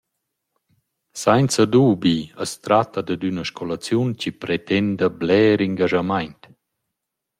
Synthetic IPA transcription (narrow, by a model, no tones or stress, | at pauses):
sajnt͡səd̪uːbiəst̪ɾat̪ːad̪əd̪ynəʃkʰolat͡sjunt͡ɕipɾet̪ɛnd̪əblɛːɾiŋɡaʒamajnt̪